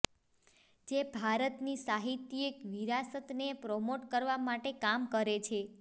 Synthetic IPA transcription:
d͡ʒebʱaɾət̪nisaɦit̪ːiekʋiɾasət̪nepɾɔmoʈkəɾʋamaʈekamkəɾet͡ʃʰe

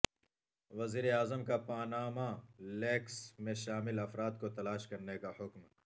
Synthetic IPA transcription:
ʋɐziːɾeaːzəmkapaːnaːmaleːksmẽʃaːmɪlɐfɾaːd̪̚kot̪ɐlaːʃkɐɾnekahʊkm

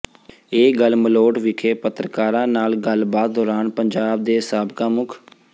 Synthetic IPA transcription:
eːɡəlməloːʈʋɪkʰeːpət̪ɾəkaːɾãːnaːlɡəlbaːt̪̚d̪ɔːɾaːnpəɲd͡ʒaːb̚d̪eːsaːbkãːmʊkʰ

